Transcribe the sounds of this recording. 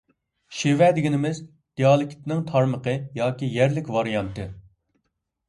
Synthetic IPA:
ʃewɛd̪ɪɡʲinɪmɪz | d̪̥iɑːlˠɪkʲt̪nɪŋt̪ʰɑɾməqəjɑːkʲijæɾlɪkʲvɑɾijɑnt̪ɨ

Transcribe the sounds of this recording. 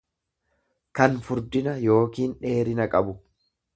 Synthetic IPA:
kɐnfʊɾd̪ɪnɐjo̞ːkiːnᶑe̞ːɾɪnɐkʼɐbʊ

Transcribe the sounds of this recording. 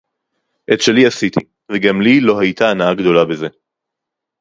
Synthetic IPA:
ʔet̪ʃe̞liasit̪i | veɡamlilo̞ɦajt̪aːnaaɡd̪o̞labeze̞

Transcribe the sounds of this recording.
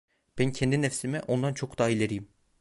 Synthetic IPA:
b̥æncʰɛnd̪inɛfsimɛʔo̞nd̪ant͡ʃʰo̞kd̪aːilʲeɾijim

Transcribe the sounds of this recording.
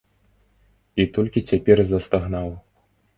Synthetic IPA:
it̪ɔlʲkʲit͡sʲapʲɛrzɐst̪aɣnaw

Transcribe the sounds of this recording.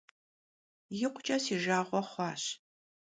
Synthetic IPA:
jɪqʷʰʊt͡ʃʼɐsiːʒaːʁʷɔχʷɑːɕ

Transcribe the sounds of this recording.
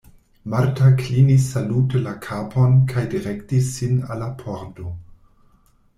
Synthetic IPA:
maɾtaklinisːalutelakʰapʰonkʰajdiɾektisːina̰lːapʰoɾdo

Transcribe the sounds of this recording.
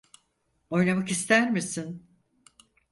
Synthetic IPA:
o̞jnamakist̪ʰæɾmisin

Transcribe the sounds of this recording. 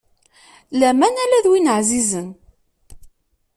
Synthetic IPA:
læmænælæðwinəʕzizən

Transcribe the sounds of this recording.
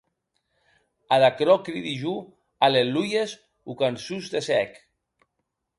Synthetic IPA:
aðakɾɔkɾiðiʒu | alelujez | ukansuzd̪esɛk

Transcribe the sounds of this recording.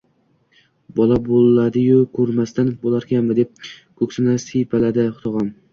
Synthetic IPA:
bɒlˠabolˠːad̪ɪjʊkʰɵɾmast̪anbolˠaɾkʲʰanmɪd̪ep̚kʰɵkʲsɪnasipʰalad̪ɪχʊ̥t̪ʰɒʁɒn

